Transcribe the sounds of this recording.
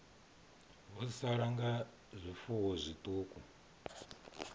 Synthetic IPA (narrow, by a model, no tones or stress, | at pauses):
βɔsaɺaŋɡa | zʷifuwɔzʷitʼuːku